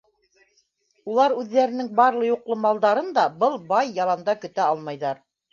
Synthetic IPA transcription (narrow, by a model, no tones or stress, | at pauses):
ulˠɑɾʉðːæɾɘ̆nɘŋbɑɾlˠɤjuqlˠɤmɑlˠd̪ɑɾɤnd̪ɑbɤlˠbɑjːɑlˠɑnd̪ɑkɵ̆t̪æɑlˠmɑjðɑɾ